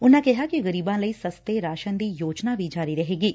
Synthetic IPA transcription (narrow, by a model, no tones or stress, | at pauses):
ʊnãːkɪɦaːkiɣəɾiːbãːləiːsəst̪eɾaːʃənd̪iːjoːd͡ʒnaːʋid͡ʒaːɾiɾɐɦeːɡiː